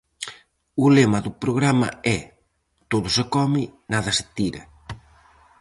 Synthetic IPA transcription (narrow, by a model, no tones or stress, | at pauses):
ulemaðupɾoɣɾama̰ɛ | t̪oðʊsɪkɔmɪnaðɐsɪ̥t̪iɾɐ̰